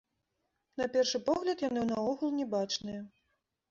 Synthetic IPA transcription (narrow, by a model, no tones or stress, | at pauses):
nɐpʲɛrʂɨpɔɣlʲɐt̪janɨnaɔɣulˠnʲɛbat͡ʂnɨjɐ